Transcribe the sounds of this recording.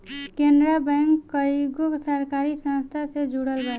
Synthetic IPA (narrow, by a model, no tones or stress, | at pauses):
kendɾabɛŋkːəjɡoksəɾkaɾisə̃nst̪ʰased͡ʒuɽəlbə